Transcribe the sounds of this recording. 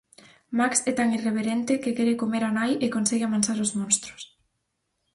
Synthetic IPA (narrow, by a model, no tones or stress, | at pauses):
maksɛt̪aŋireβ̞eɾent̪ɪkekɛɾekomeɾanajɪkonsɛɣɪamansaɾʊzmõnst̪ɾʊ̥s